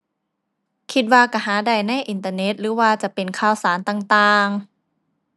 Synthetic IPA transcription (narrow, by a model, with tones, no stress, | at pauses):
kʰi˧t̪̚waː˧ka˧˩ɦaː˩˦da˨˧˩jna˧˥˩jʔi˨˩nt̪aː˧ne˦˥t̪̚ɾɯː˩˦waː˧t͡ɕa˨˩ʔpe˨nkʰaː˧˩wsaː˩˦nt̪aː˧˩ŋt̪aː˧ŋ